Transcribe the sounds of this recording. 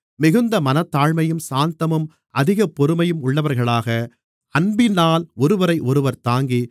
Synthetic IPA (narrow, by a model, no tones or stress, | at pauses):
mɪɣɯnd̪ɐmɐnɐt̪ːaːɻmɐjɯmsaːnt̪ɐmɯm | ʔɐðɪɣɐpːɔɾɯmɐjɯmʊɭːɐʋɐɾɣɐɭaːɣɐ | ɐnbɪnːaːlɔɾɯʋɐɾɐɪʔɔɾɯʋɐɾt̪aːŋɡi